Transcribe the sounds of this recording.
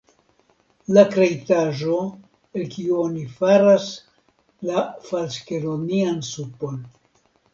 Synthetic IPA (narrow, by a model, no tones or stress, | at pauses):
lakɾejtaʒo̞ | elkiuonifaɾas | lafalskeɾoniansupo̞n